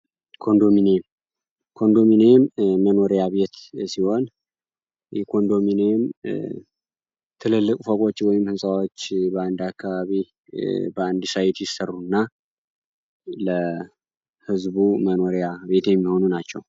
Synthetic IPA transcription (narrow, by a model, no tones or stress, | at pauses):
kʰo̞nd̪o̞minem | kʰo̞nd̪o̞minejmːəno̞ɾijaβe̞t̪siho̞n | jɛkʰo̞nd̪o̞minejm | t̪ʰɨlɨlːɨkʼufəkʼo̞t͡ʃːwɔjɪmhɨnsʼawo̞t͡ʃːbəand̪akʰːaβaβi | bəand̪ɨsajɪt̪jɪsərːunːa | lə | hɨzβuməno̞ɾejaβe̞t̪jɛmːiho̞nunat͡ʃːɛw